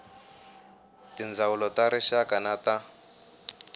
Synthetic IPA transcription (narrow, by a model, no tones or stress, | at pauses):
tind͡zaulɔtaɾɛʃakanata